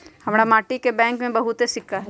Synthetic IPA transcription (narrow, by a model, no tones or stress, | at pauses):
hɐmɾamaːʈikebɛ̃ːŋkmẽbɐɦut̪esɪkːaɦɛ